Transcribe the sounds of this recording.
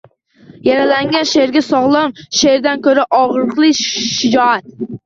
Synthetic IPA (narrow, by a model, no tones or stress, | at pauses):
jaɾalaŋɡʲanʃeɾɡʲasɒʁlˠɒmʃeɾd̪ankʰɵɾaʔɒʁɾɨqlˠɪʃɪd͡ʒɒat̪̚